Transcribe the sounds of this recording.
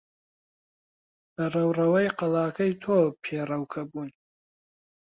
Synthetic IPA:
bɐrɐwrɐwɐjqɐlɑːkʰɐjt̪ʰoːpʰeːrɐwkʰɐbuːn

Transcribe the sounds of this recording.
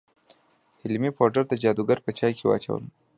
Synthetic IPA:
hɪlmipoʈaɾd̪əd͡ʒɑd̪uɡaɾpət͡ʃɑjkʰewɑ̰t͡ʃa̰wə̰m

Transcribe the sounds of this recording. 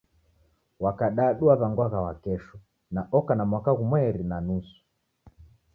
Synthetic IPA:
wakaɗaːɗuaβaŋɡwaɣawakɛʃu | naʔɔkanamwakaɣumwɛɾinanusu̥

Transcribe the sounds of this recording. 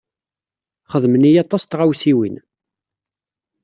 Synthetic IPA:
χəðmənijɑt̪ˤːɑst̪ʁawsiwḭn

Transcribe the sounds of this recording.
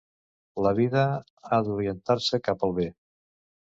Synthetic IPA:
ləβ̞iðə | aðuɾiənt̪aɾsəkapəlˠβe

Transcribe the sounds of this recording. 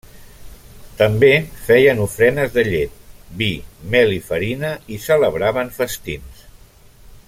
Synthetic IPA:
t̪əmbefɛjənufɾɛnəzðəʎet̪̚bimɛlifəɾinəisələβɾaβəɱfəst̪ins

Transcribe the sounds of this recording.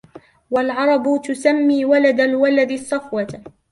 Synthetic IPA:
walʕɑɾˤɑbʊt̪ʊsamːiːwalad̪alwalad̪ɪsˤːɑfwa

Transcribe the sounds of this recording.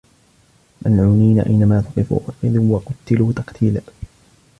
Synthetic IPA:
mʔanʕuːniːnaʔa̰jnamaːt̪ʊqɨfṵʔqɪðuːwɑqʊt̪ːɪluːt̪ɑqt̪ʰiːla

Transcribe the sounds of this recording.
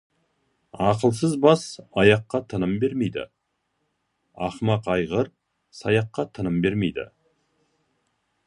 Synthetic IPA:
ɑqəlˠsəzbɑsɑjɑqːɑt̪ʰənəmbe̞ɾme̞jd̪ɪ̰ | ɑχmɑqɑjʁəɾ | sɑjɑqːɑt̪ʰənəmbe̞ɾme̞jd̪ɪ̰

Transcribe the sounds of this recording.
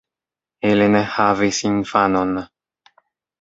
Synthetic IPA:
elenehavesinfanon

